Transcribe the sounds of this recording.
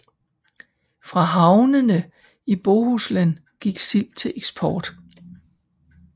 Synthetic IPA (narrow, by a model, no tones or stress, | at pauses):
fʁɑ̈ɦɑ̈ʊnənə | ib̥oːhuslæn | ɡ̥iɡ̥sil̰̚t͡sʰe̝lʔeɡ̥sb̥ʰɒːd̥